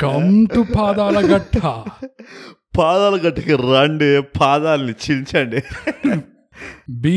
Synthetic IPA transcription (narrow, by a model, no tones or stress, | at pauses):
kɐmt̪upaːd̪aːlɐɡɐʈʰːɐ | paːd̪aːlɐɡɐʈːɐkiɾɐɳɖepʰaːd̪aːlɐnit͡ʃit͡ʃaːɳɖi | bi